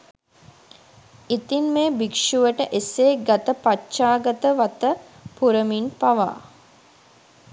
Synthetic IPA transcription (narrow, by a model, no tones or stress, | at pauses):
it̪inmeːbikʂuʋəʈəʔeseːɡat̪əpat͡ʃaːɡət̪əʋat̪ə | puɾəminpaʋa̰ː